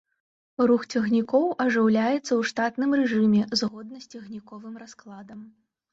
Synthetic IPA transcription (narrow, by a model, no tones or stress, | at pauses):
ruxt͡sʲaɣnʲikɔwʔɐʐɨwlʲajɛt̪sːɐwʂt̪at̪nɨmrɛʐɨmʲɛzɣɔd̪̚nɐsʲt͡sʲaɣnʲikɔvɨmrasklˠad̪ɐm